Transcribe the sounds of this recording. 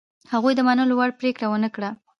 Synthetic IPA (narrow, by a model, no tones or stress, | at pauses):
haɣujd̪əmanəlowaɽpɾekɽawənəkɽa